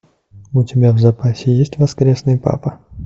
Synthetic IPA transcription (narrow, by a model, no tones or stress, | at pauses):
ʊtʲɪbʲavzɐpasʲɪjesʲtʲvɐskɾʲesnɨjpa̰pə